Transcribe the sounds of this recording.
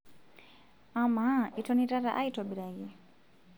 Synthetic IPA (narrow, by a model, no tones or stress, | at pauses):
amaitɔnitaɾaʔaitɔbiɾaji